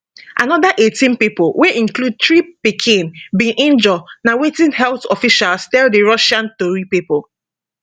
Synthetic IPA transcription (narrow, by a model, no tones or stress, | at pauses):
ʔa̰nɔðaʔetĩnpipɔlweʔĩnklud̚tɹipikʰĩnbĩʔĩnd͡ʒɔnawetĩnhɛlθɔfiʃalstɛldeɹɔʃãntoɹipipɔl